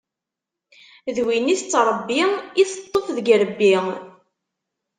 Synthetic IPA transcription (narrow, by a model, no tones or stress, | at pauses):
ðwinist͡sːɾˤəbːiiθət̪ˤːofðəɡɾəbːi